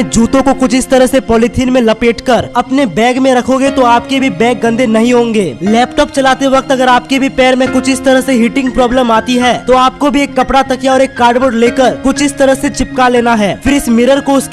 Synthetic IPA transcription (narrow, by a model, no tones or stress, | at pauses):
d͡ʒuːt̪õkokʊt͡ʃʰɪst̪ɐɾəɦsepɔːlɪʈ̪ʰiːnmẽlɐpeːʈkəɾɐpnebɛːɡmẽɾɐkʰõːɡet̪oaːp̚kebʱibɛ̃ːɡ̚ɡɐ̃nd̪ʱenɐɦĩɦõːŋɡeːlɛːpʈɔːp̚t͡ʃɐlaːt̪eʋɐk̚t̪ɐɡəɾaːp̚kebʱipɛːɾmẽkʊt͡ʃʰɪst̪ɐɾəɦseɦɪʈɪ̃ŋɡ̚pɾɔːbləmaːt̪iɦɛːt̪oaːp̚kobʱieːkːɐpɽat̪ɐkjaɔːɾeːkːaːɾɖʋəːɖleːkəɾkʊt͡ʃʰɪst̪ɐɾəɦset͡ʃɪp̚kaleːnaɦɛːfɪɾɪsmɪɾəɾkoʊsk